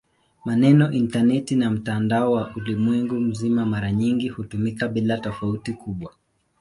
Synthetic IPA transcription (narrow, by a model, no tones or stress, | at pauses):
manɛnɔʔintanɛtinam̩tandaɔwaʔulimwɛŋɡum̩zimamaɾaɲiŋɡihutumikaɓilatɔfautikuɓwa